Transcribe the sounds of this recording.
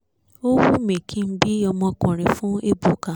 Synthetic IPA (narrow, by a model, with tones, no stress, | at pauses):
o˦wu˦mẽ˨kʰĩ˦m̩˦bi˦ɔ˧mɔ̃˧kɔ̃˨ɾ̃ĩ˨fũ˦e˦bu˨ka˨